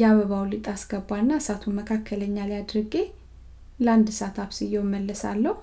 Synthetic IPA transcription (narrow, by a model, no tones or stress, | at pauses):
jaβəβawlɨt̪ʼasɡ̥əbːanːasat̪ʰuməkʰakʰːələɲːalijad̪ɾɨɡe | land̪sat̪ʰaβsɨjowməlːəsa̰lːəh